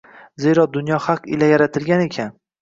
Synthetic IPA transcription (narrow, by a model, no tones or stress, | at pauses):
ze̞ɾɒd̪ʊnjɒhɑqɪ̰lajaɾat̪ʰɪlɡʲane̞kʲʰan